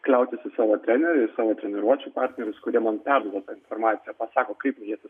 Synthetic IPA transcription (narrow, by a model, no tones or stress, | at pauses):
klʲɛʊt̪ʲɪsʲɪsɑːʋoːt̪ʲɾʲænʲɛɾʲɛɪsɑːʋoːt̪ʲɾʲɛnʲɛɾuɔt͡ʃʲuːpɑːɾʲt̪ʲnʲɛɾʲʊskʊɾʲiɛmɐnpʲæɾd̪uɔd̪ɐt̪ɑːɪnfɔɾmɑːt̪ʲɪjɛpɑsɑːkoːkɐɪpmjiɛsʲɪ